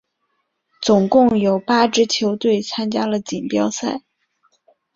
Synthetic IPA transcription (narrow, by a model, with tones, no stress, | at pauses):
t͡sʊ˨˩ŋkʊ˥˩ŋjo˨˩ʊpa˥ʈ͡ʂɻ̩˥t͡ɕʰjo˧˥ʊt̪we˥˩ɪt͡sʰa˥nt͡ɕja˥lə˨t͡ɕi˨˩npjɑ˥ʊsa˥˩ɪ